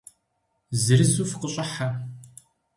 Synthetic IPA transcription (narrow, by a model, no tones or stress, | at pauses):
zɨɾɨzuːfqəɕʼɪħa